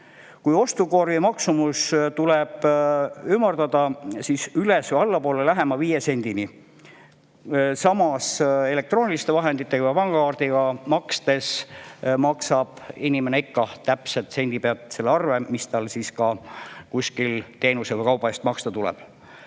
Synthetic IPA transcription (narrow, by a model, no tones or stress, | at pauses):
kujo̞st̪uko̞rjimɑksumust̪ulɛb̥ymːɑrt̪ɑd̪̥ɑsisylesvojɑlːɑpo̞ːlelæɦe̞mɑviːjese̞nʲd̪̥ini | sɑmɑse̞le̞k̚t̪ronʲilist̪evɑɦe̞nd̪it̪ːˑe̞ɡɑvɑpɑŋɡ̥ɑkɑːrd̪iɡ̥ɑmɑkst̪e̞smɑksɑb̥inʲimeneikːɑt̪æpset̪se̞nʲd̪ipeɑt̪ˑse̞lːeɑrve̞mist̪ɑlsiskɑkusʲkilt̪e̞ːnusevojkɑwbɑest̪mɑkst̪ɑt̪ulɛ̰b̥